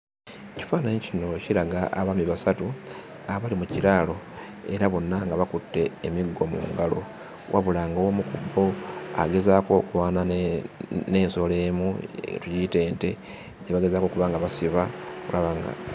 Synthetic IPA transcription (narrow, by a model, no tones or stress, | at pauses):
eci̥faːnaɲicino̞ciɾaɡaʔːβamiβasatu | aβalimuciɾaːlo̞ | e̞ɾaβo̞nːaŋɡaβakutːe̞ːmiɡːo̞mṵːŋɡalo̞̰ | wʔa̰βulaŋɡawomukubːo̞a̰ɡe̞zako̞kuβaːna | ne̞ːnso̞le̞ːmṵtuɟite̞ːnte̞ | ɟaβaɡe̞zako̞kuβaŋɡaβasiβaulaβaŋɡa̰